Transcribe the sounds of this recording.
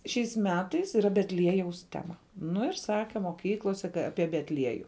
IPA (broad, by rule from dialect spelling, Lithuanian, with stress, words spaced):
ʃʲɛɪs ˈmʲæːtɐɪs iːˈrɐ bʲɛtʲˈlʲiɛjɛʊs ˈtʲæːmɐ ˈnʊ ɪr ˈsɑːkʲɛ moːˈkʲiːklˠoːsʲɛ ˈɑːpʲiɛ bʲɛtʲˈlʲiɛjʊ